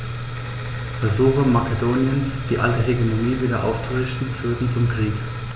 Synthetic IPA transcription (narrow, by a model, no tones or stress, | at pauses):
fɛɐzuːxəmakʰedoːnjənsd̥iːʔaltəɦeɡemoniːviːdɐʔa̰ʊft͡suʁɪçtn̩fyːɐtn̩t͡sʊmkʁ̥iːk